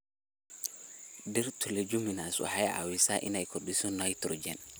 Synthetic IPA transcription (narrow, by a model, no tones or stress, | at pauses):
dɛɾtʰuled͡ʒuminasṵhajaʔa̰wisaʔḭnajkʰɔdisɔnajtɾɔd͡ʒɛn